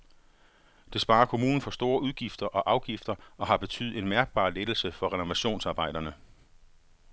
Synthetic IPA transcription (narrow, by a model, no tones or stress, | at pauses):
d̥e̝sb̥ɑ̈ːɐkʰo̝muːnn̩fɒ̽sd̥o̝ːɐuðˠɡ̥ifd̥ɐʔɒ̽ʔɑ̈ʊɡ̥ifd̥ɐʔɒ̽ɦɑ̈b̥e̝t͡sʰy̰ð̩ˠe̝nmæɐɡ̥̚b̥ɑ̰̈ːled̥l̩səfɒ̽ʁɛno̝ʋæɕo̝̰ːnsɑ̈ːb̥ɑ̈ɪ̰d̥ɐnə